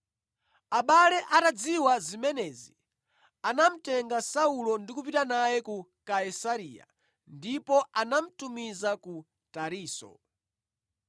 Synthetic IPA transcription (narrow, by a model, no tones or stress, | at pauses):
aɓalɛʔatad͡ziwazimɛnɛːzi | anam̩tɛŋɡasaulɔndikupitanajɛkukaisaɾiːa̰ | ndipɔʔanam̩tumizaku | taɾiːsɔ̰